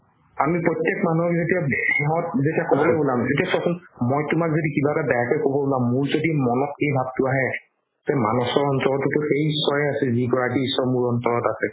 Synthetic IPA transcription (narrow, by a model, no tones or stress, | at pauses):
amipɹɔjtːjekmanuɔkzetiabhɛɦɔt̚zetiakɔbɔlojbolamzetiasɔkʰʊnmɔjtʊmakzodikibatabɛakɔjkobɔbolamːuɹzodimɔnɔkejbʱab̚tʊaɦɛ | tɛmanɔsɔɹɔnsɔlɔtʊtʊxejisːɔjɛasɛziɡɔɹakiisɔmuɹɔntɔɹɔtasɛ